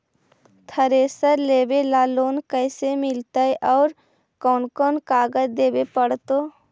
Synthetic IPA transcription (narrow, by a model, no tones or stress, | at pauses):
t̪ʰəɾeːsəɾleːbelaːloːnkəɪsemɪlt̪əeʔɔːɾ | kɔːnkɔːnkaːɡəd͡ʒd̪eːbepəɽt̪o